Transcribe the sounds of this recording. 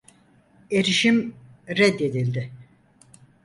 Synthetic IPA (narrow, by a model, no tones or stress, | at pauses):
eɾiʃimɾɛd̪ːe̞d̪ilʲd̪ɪ